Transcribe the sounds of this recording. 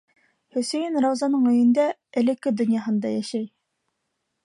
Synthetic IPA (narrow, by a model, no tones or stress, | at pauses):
høsejinɾɑwzɑnɨŋøjind̪ɛ | ɛlɪkʲʰːɪd̪ynjɑɦɨnd̪ɑ̰jɑʃɛj